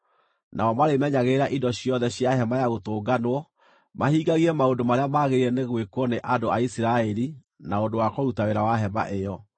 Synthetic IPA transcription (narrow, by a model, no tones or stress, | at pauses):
naɔmaɾemɛɲaɣeɾaʔindɔɕjɔðɛɕjaɦɛmajaɣotoːɡanwɔ | mahiːɡaɣiɛmaondomaɾeamaɣeiɛneɣwekwɔneʔadoaisiɾaɛɾi | naondowakɔɾutaweɾawaɦɛma̰ʔejɔ